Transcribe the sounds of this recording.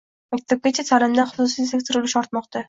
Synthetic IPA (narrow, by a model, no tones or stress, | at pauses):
makʲt̪ʰab̚ɡʲat͡ʃʰasʰalɪmd̪anχʊ̥sʊsisekʲt̪ʰɪɾʊlɪʃɒɾt̪mɒqt̪ʰa